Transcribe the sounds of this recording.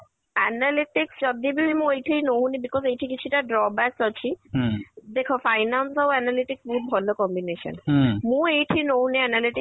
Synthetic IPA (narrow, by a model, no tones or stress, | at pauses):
ɛnaliʈiksd͡ʒɔd̪ibibimũejʈʰinoɦunibikɔzejʈʰikit͡ɕʰuʈaɖɾɔbɛsɔt͡ɕʰi | d̪ekʰofajnansɔwɛnaliʈiksbuɦut̪̚bʱɔlokɔmbineʃɔ̰nmũejʈʰinowuniɛnaliʈi